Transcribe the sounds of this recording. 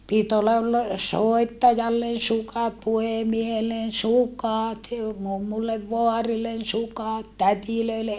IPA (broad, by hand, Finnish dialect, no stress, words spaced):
pit olːɑ t soetːɑjɑlːen̞ sukɑt puhemiehelːen sukɑˑt jo mumːulːeʋ ʋoɑrilːen sukɑt tætiløile